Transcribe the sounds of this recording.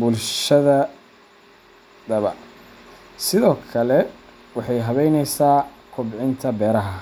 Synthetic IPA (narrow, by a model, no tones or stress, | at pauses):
bʊlʃɐðɐ | d̪ɐβɐ̰ | sɪðɔːkʰɐlɛ | wɑħɑjɦɐβɛjnɛjsaːkʰʊbʕɪnt̪ʰɐbɛːɾɐɦɐ